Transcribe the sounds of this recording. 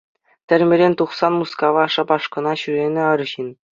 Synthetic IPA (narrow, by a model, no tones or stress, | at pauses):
t̪ʲɘ̆rʲmʲɘ̆ɾʲenʲt̪uχsɑnmuskɑʋɑʂɑpɑʂkɤ̆nɑɕyɾʲenʲɘ̆ɤ̆ɾ̆ɕinʲ